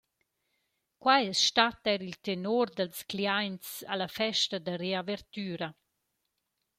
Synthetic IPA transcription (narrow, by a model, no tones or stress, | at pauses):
kwajɛsʃtat̪ɛɾilt̪enoɾd̪alskliajnt͡sa̰lafɛʃtad̪areavɛɾt̪yːɾa